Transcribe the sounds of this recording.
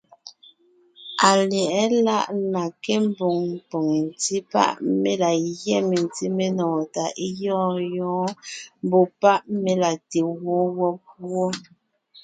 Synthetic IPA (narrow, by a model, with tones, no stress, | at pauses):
a˨lɛ˨ʔɛ˦la˦ʔla˨ke˦m̩˦bo˨ŋm˨po˨ŋe˨n̩˨ti˦pa̰˦ʔme˦la˨jɛ˦me˨n˨ti˦me˦nɔː˨ta˨ʔi˦jɔː˦jɔ̃ː˦m˦bo˦pa˦ʔme˦la˨te˨wɔ˦wɔ˦p̚wɔ˦